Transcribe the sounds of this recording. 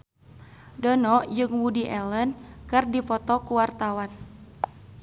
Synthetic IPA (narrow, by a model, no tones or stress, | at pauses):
dɔnɔd͡ʒɨŋwudiʔɛlənkɨrdipɔt̪ɔkuwart̪awan